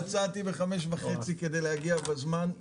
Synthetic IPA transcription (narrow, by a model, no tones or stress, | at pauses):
t͡sat̪ibeχame̞ʃvaχe̞t͡sike̞d̪e̞jlehaɡiabezman